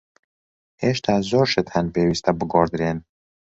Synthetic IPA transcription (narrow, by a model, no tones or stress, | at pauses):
heːʃt̪ʰaːzoːɾʃət̪hɐnpeːwiːst̪ɐbɨɡɔːɾd̪ɾeːn